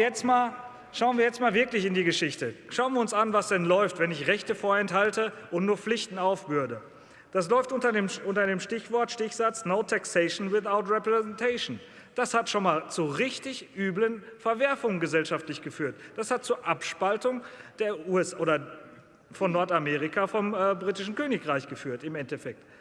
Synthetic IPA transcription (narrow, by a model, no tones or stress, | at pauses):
jɛt͡stmaːl | ʃaʊənviːɐjɛt͡stmaːlvɪɐklɪçɪndiːɡəʃɪçtəʃaʊənviɐʊnsanvasd̥ɛnlɔʏftv̥ɛnɪçʁɛçtəfoːɐɛnthaltəʔʊntnuːɐflɪçtn̩aʊfb̥ʏɐdə | d̥aslɔʏftʔʊntɐdeːmʔʊntɐdeːmʃtɪçv̥ɔɐtʃtɪçz̥at͡snoʊtʰaksɛɪʃn̩wɪθaʊtʁɛpʁɛzɛntʰeɪʃn̩ | d̥ashatʃoːnmaːlt͡suʁɪçtɪçʔyːblənfɛɐvɛɐfʊŋənɡəzɛlʃaftlɪçɡ̥əfyːɐtd̥ashat̚t͡suːɐʔapʃpaltʊŋd̥eːɐuːɛsʔoːdɐ | fɔnːɔɐtameːʁɪkʰafɔmɛːbʁiːtɪʃn̩køːnɪkʁaɪçɡ̥əfyːɐtɪmɛntɛfɛk̚t